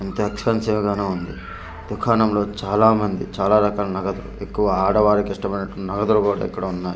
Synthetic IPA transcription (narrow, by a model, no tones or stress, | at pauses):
ent̪ɐɐksɐɐnsemɐɡaːneːund̪i | d̪ukʰaːnɐmlo̞ːt͡ʃaːlaːmɐnd̪it͡ʃaːlaːɾɐkaːlɐnɐɡɐd̪ulṵe̞kːuʋɐaːɽɐʋaːɾikiʂʈɐmɐjnɐʈːunɐɡɐd̪ulukuːɽa̰ːikːɐɽɐunːaːju